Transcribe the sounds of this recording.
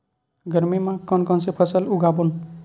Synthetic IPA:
ɡʱʌɾmimãkʌnkʌnsepʰʌsʌluɡabun

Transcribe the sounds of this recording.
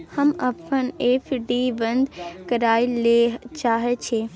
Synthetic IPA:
həmɐpʰəneːpʰɖiːbə̃nd̪kəɾaːilet͡ʃaːɦet͡ʃʰe

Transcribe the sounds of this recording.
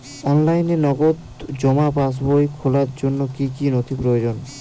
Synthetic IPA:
ɔnlajnenɔɡot̪ | d͡ʑɔmabas̬bojkʰolaɾd͡ʑonːokikinot̪ʰipɾojod͡ʑon

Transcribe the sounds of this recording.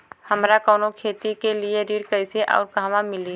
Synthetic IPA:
hɐmɾakɔːnokʰeːt̪ikelieɾiːɽkəɪseʔɔ̰ːɾɡʱaːʋãmɪli

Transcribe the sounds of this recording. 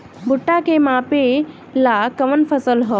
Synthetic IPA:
bʊʈːakemãpe | lakəʋənfəsəlɦɔ

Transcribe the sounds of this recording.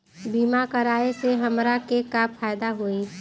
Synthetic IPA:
biːmakəɾaːeseɦəmɾakekapʰaːjd̪aɦoi

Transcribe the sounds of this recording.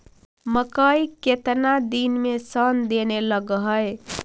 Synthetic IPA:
məkəiket̪nad̪inmesənd̪eneləɡɦəj

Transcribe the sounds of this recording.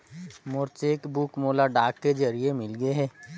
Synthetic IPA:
mʊɾt͡ʃeːkbukmoːlaɖaːkːed͡ʒɐɾiemɪlɡəeɦɛ̃ː

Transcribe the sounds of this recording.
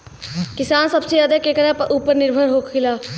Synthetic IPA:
kɪsaːnsɐbsejaːd̪ekekəɾapəʔuːpəɾnɪɾbʱəɾɦoːkʰɪlaː

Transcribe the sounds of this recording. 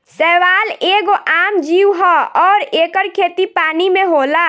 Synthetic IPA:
sɛːʋaːleːɡoʔaːmd͡ʒiːwɦɔɔːɾeːkəɾkʰeːt̪ipaːnimẽɦoːlaː

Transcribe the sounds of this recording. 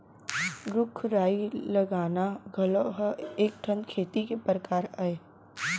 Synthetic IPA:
ɾʊkʰɾaːiləɡaːnaɡʱɐloɦeːk̚ʈʰə̃nd̪kʰeːt̪ikepɾəkaːɾae

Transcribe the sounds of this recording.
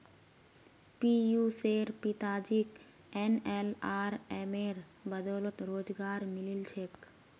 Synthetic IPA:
pijuseɾpit̪aːd͡ʒik | enelaːɾemeɾ | bəd̪oːlot̪ɾoːd͡ʒɡaːɾmililt͡ʃʰek

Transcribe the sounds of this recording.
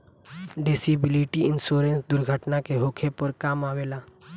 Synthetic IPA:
ɖɪsibɪliʈiɪnsoːɾẽnsd̪ʊɾɡʱəʈnakeɦoːkʰepəɾkaːmaːʋeːlaː

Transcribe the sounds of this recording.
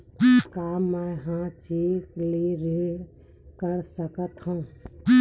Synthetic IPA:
kamːeɦãt͡ʃikliɾeɽ | kəɾsəkət̪ɦũ

